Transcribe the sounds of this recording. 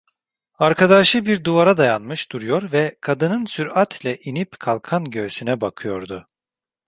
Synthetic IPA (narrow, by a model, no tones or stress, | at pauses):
aɾkʰad̪aʃɯbiɾd̪uvaɾad̪ajanmɯʃd̪̥uɾujo̞ɾvɛkʰad̪ɯnɯnsyɾat̪ʰlʲɛʔinipkʰalˠkʰanɟøːsynɛbakʰɯjo̞ɾd̪ʊ